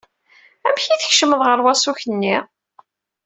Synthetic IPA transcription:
æmçiθəçʃəməðˤʁəɾˤwæsuçənːi

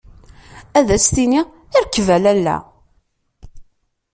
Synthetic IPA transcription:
æðæst̪ini | ɪɾəkːvælælːæ̰

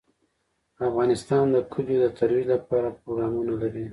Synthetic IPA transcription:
afɣɑnɪst̪ɑnd̪əkʰʊd͡ʒod̪ət̪ʰaɾwilapɑɾapɾoɡɾɑmunalaɾi

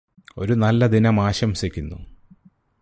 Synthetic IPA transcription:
o̞̰ɾunɐlːɐd̪inɐmaːɕɐmsɐkʲːunːṵ

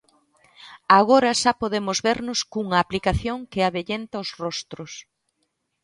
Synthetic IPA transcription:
aɣ̞oɾɐʃapoðemʊzβeɾnʊskuŋɐːplikaθjoŋkɪaβeʎent̪ɐosrɔst̪ɾʊs

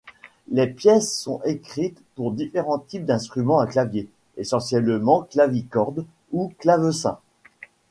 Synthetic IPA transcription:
lepjɛsːɔ̃ekχit̪puʁd̪ifeʁɑ̃t̪ip̚d̪ɛ̃st̪χymɑ̃aklavje | esɑ̃sjɛlmɑ̃klavikɔʁd̪ | uklavøsɛ̰̃

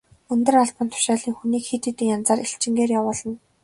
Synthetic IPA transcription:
ɵnt̪ɵ̆raɮpə̆nt̪ʰʊ̥ʃaːɮiːŋxuniːkxit̪iːt̪ɘ̆ŋjant͡saːɾiɬt͡ɕɪ̆ŋɡeːrjawʊːɮə̆n

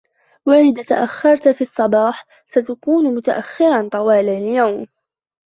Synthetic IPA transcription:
waʔɪðaːt̪a̰ʔaxːɑɾˤt̪fiɑsˤːɑbɑːħ | sat̪akuːnmʊt̪aʔaxːɪɾˤɑnt̪ˤɑwaːlaljawm

